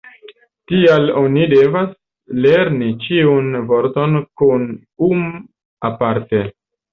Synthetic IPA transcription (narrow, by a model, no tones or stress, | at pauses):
tialo̞nide̞vas | le̞ɾnit͡ʃiunvo̞ɾto̞nkun | um | apaɾte̞